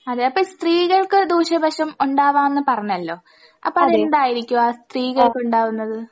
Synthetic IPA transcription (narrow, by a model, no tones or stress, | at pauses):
ɐðeɐpːɐːst̪riːɣɐɭkɨd̪uːɕɐbʱɐʂɐmuɳɖaːʋaːmenːɨpɐrɐɲːɐlːo̞ː | ɐ̰pːoːɐðinuɳɖaːjiɾikʲːuaːst̪riːɣɐɭkɨuɳɖaːʋunːɐðɨ